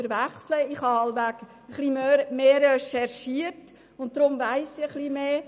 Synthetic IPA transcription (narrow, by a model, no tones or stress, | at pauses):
əɾʋæχsləɪχhɑːɑlʋæk | əχlimømeːɾɛʃɛɾʃiət | ʊnt̚d̥ɾʊmvæɪsiəχlimeː